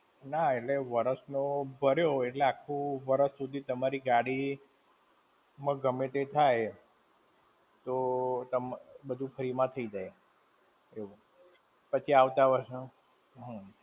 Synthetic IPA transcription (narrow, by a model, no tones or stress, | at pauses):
naeʈleʋəɾəsnobʱəɾjoeʈleakʰːũʋəɾəsːud̪ʱit̪əmaɾiɡaɽi | mãɡəmet̪et̪ʰaj | t̪ot̪əmbəd̪ʱũfʰəɾimãt̪ʰəid͡ʒaj | eu | pət͡ʃʰiaʋt̪aʋəɾsnũ | ɦə̃